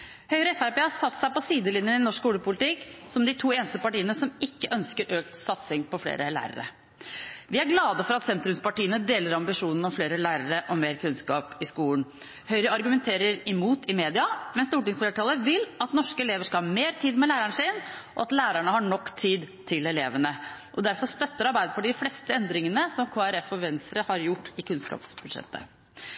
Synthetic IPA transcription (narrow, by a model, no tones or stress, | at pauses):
hœʏɾəɛfæɾpeːhɑsɑt̪ːsæɪpɔsiːd̪əlɪnjənɪnɔʂkuːləpʰʊlɪt̪ɪksɔmd̪ɪt̪ʰuːeːnəst̪əpɑʈiːənəsɔmɪkːəʔœnskəɾʔøːkt̪sɑt̪sɪŋpɔflḛːɾəlæ̰ːɾə̰ɾə̰ | ʋɪæɾɡlɑːd̪əfɔɾɑt̪sɛnt̪ɾʉmspɑʈiːənəd̪eːləɾɑmbɪʂuːnn̩ɔmfleːɾəlæːɾəɾəʔɔmeːɾkʰʉnskɑːpɪskuːln | hœʏɾəɑɾɡʉmɛnt̪ʰeːɾəɾɪmuːt̪ʰɪmeːd̪ɪɑmɛnst̪uːʈɪŋsfleːʈʰɑːləʋɪlɑt̪nɔʂkəɛleːʋəʂkɑlhɑmeːɾt̪ʰiːd̪mɛlæːɾæɳʂɪnʔɔɑt̪læːɾæɳəhɑɳɔkːt̪ʰiːd̪t̪ʰɪlɛleːʋənəʔɔd̪æɾfɔst̪œt̪ːəɾɑɾbæɪd̪əpʰɔɖ̪ɪflɛst̪əɛnd̪ɾɪŋənəsɔmkʰoːæɾɛfɔʋɛnsəɾəhɑɾjʊʈːɪkʰʉnskɑ̰ːpsbʉd̪ʂɛ̰t̪ʰːə̰